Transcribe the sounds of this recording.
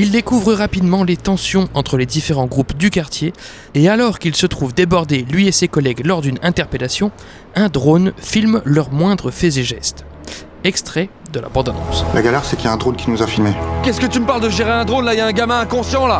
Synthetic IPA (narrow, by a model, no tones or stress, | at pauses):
ild̪ekuvʁəʁapid̪mɑ̃let̪ɑ̃sjɔ̃ʔɑ̃t̪χəled̪ifeʁɑ̃ɡʁupd̪ykaʁt̪jeː | alɔʁkilsət̪χuvd̪ebɔʁd̪elɥiesekɔlɛɡlɔʁd̪ynɛ̃t̪ɛʁpelasjɔ̃ | ɛ̃d̪ʁonfilmlœʁmwɛ̃d̪ʁəfɛzeʒɛst̪ | ɛkst̪χɛ | d̪əla̰bɑ̃d̪ɔnɑ̰̃slʔaɡalɛʁsɛkiljaɛ̃d̪ʁonkʲinuzafilmekɛskət̪yməpaʁld̪əʒeʁeɛ̃d̪ʁonlaijaɛ̃ɡamɛ̃ɛ̃kɔ̃sjɑ̃la